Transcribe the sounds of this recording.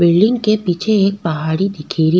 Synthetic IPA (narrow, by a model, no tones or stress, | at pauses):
bɪlɖɪ̃ŋɡkepit͡ʃʰeːk̚pɐɦaːɽid̪ɪkʰeːɾi